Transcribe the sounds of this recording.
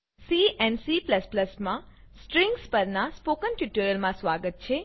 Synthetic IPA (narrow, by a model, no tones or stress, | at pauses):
siɛnsipləspləsmã | sʈɾɪ̃ŋɡspəɾnaspokənʈjuʈuɾjəlmãsʋaɡət̪̚t͡ʃʰe